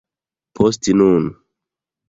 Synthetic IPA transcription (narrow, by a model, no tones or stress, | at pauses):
pʰostinun